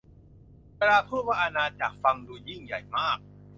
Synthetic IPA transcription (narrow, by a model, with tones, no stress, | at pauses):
kɾaː˧pʰɯ˥˩waː˥˩ʔa˧naː˧t͡ɕa̰˨˩k̚fa˧ŋduː˧ji˥˩ŋja̰˨˩jmaː˥˩k̚